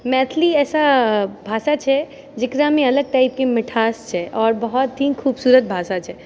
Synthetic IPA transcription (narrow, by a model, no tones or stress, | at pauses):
mɛːt̪ʰliɛːsabʱaːsat͡ʃʰɛ | d͡ʒɪkɾamẽɐləɡ̚ʈaːɪip̚kemɪʈʰaːst͡ʃʰɛʔɔːɾbəɦɔt̪ːiːnkʰuːbsuːɾət̪̚bʱaːsat͡ʃʰɛ